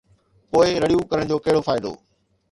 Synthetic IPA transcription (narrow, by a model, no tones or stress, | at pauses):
poːɪɾɐɽijukɐɾəɽ̃d͡ʑoːkɐɦɪɽofʰaːɪd̪o̰ː